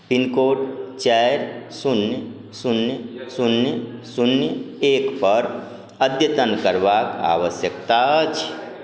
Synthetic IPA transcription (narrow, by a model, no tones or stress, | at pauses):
pinkoʈt͡ʃaɾsunj | sʊnjəsunjəsunjəekpəɾ | əd̪jət̪ənkəɾʋaka̰ʋəsjəkt̪at͡ʃʰ